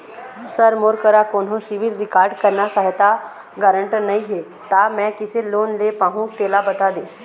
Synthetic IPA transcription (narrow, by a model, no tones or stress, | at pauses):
səɾmoːɾkəɾakoːnɦõsɪʋɪɾɾɪkaːɾɖkəɾnasaːɦɪt̪a | ɡəɾə̃ɳʈnəĩɦeː | t̪aːmɛ̃ːkɪseloːnleːpaːɦũt̪eːlabət̪aːd̪ẽː